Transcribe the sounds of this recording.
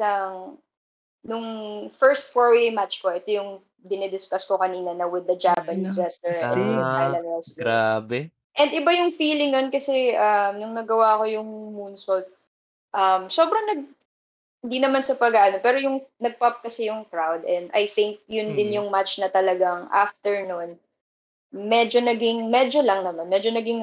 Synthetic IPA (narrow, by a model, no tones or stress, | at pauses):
ɐŋ | nʊŋfɛɹst̪̚foɹwejmatt͡ʃko̞ʔɛt̪ojʊŋ | d̪ɪnɛd̪ɪskɐskokɐniːnɐnɐwɪd̪ːɐd͡ʒapɐnisɹɛst̪ɔɹa̰fajnɐnɹɛst̪abɛ | ʔɛnd̪ɪbajʊŋfiːlɪŋjonkɐsɛʔɐmnʊŋnɐɡɐwako̞jʊŋmuːnsot̪̚ | ʔɐmso̞ːbɾɐŋnɐɡ̚ | hɪnd̪inɐmansɐpɐɡaʔɐno̞pɛːɾojʊŋnɐɡ̚pɐp̚kɐsɛjʊŋkɹawd̪ʔɛnd̪ɐ̰jθɪŋk̚jʊnd̪ɪnjʊŋmat͡ʃnɐt̪ɐlɐɡaŋʔa̰ft̪ɛɹnʊn | mɛd͡ʒo̞nɐɡɪŋmɛd͡ʒo̞lɐŋnɐmanmɛːd͡ʒonɐɡɪŋ